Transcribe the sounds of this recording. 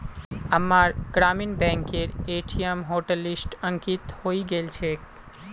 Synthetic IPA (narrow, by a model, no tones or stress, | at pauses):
əmaɾɡɾaːminbɛ̃ŋkeɾeːʈʰijemɦoʈəlɪsʈə̃ŋkit̪hoːiɡelt͡ʃʰe